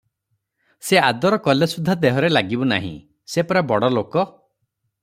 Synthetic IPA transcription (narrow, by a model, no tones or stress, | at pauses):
sead̪ɔɾɔkɔlesud̪ʱːad̪eɦɔɾelaɡibuna̰ɦḭ̃ | sepɔɾabɔɽɔlokɔ